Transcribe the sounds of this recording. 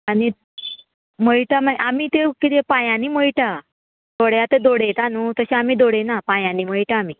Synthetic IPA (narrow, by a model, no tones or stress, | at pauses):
aɽ̃i | m̤əiʈamaʔamiːt̪ekit̪epãjãniːməiʈa | d̪oɽjat̪ed̪oɽet̪anut̪əɕẽamiːd̪oɽenapajãnːiːm̤əɭʈaːmiː